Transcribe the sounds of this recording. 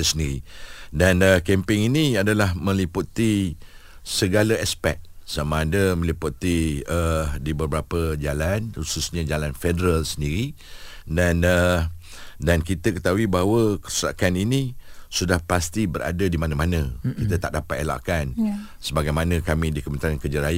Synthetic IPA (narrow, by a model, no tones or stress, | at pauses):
səndiɾidanəkɛmpɪŋiniadalahmə̃liput̪i | səɡaləɛspɛ̰k̚samãːdəmə̃liput̪iədibəbɾapəd͡ʒalanhususɲə̃d͡ʒalanfedəɾalsəndiɾi | danə | dankit̪əkət̪auibaɦwəkəɾuusa̰kaninĩsudahpast̪ibəɾa̰dadimanəmanə̃kit̪ət̪aʔdapat̪ela̰ʔkan | səbaɡajmanə̃kamĩdikəmənt̪ɾaankərd͡ʒaɾaja